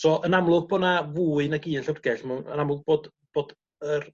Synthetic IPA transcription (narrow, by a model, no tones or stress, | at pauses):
sɔʔənamlˠʊɡ̚bonavuːɨnaɡiːənɬərɡɛɬmɛnə̰namlˠʊɡ̚b̥oːd | b̥oːd | ər